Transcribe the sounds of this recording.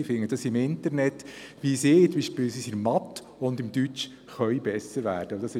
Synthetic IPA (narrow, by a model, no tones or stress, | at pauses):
ɪfɪŋːəd̥ɑsɪmɪntəɾnɛt̪ʋisɪːt͡smbiːʃpɪːlsisiɾmɑtː | ʊnd̪ɪmdyt͡ʃ | χœʏbɛsəɾʋæ̰ːɾd̥əodɑsɪ